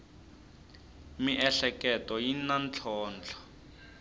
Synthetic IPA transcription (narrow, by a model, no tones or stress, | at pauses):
miʔɛɬɛkɛtɔjinant͡ɬʰɔːnt͡ɬʰɔ̥